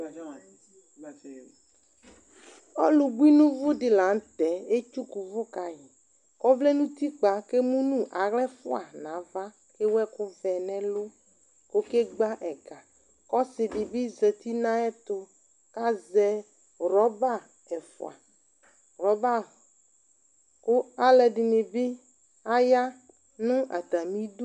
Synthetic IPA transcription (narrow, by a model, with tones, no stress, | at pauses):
ɔ̰˦lu˨ɡ͡bu˦i˦nũ˦vʊ˦dɪ˨la˨˦ŋ̩˦t̪ɛ˨e˦t͡ʃu˦ku˨vʊ˦ka˨jɪ˨ | kɔ˦vle˦nũ˦t̪i˦k͡pa˨ke˦mũ˦nũ˦ʔa˨ɣlɛ˦fʊ˦a˨nã˨˦va˦ | ke˦wɛ˦kʊ˦vɛ˨nɛ̃˦lʊ˦ | ko˦ke˦ɡ͡ba˦ʔɛ˨ka˨ | kɔ˦sɪ˨ɖɪ˨bi˦ze˨t̪i˦nã˦ɛ˦t̪o˦ | ka˦zɛ˦ | ɾɔ˨˦ba˦˨ | ɛ˨fʊ̰˨a̰˨ | ɾɔ˨˦ba˦˨ | ko˦a˦lɛ˨ɖi˨ne˨bi˦ | a˦ja˦ | nũ˦ʔa̰˨t̪a˨mĩ˦du˦